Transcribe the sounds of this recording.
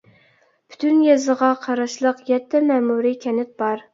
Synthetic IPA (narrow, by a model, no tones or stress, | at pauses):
pʰy̥t̪ʰynjɛzəʁɑqʰɑɾɑʃlˠəqjɛt̪ʰːɛmɛmuɾikʲʰɛnɪt̪̚bɑɾ